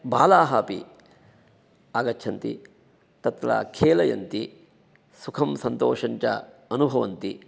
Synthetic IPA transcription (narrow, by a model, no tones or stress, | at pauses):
baːlaːɦaːpḭ | aːɡɐtːʰɐnt̪ḭ | t̪ɐt̪ɾa̰ːkʰeːlɐjɐ̰nt̪i | sukʰɐmsɐnt̪oːʂɐɲt͡ʃɐ̰ɐnubʱɐʋɐnt̪i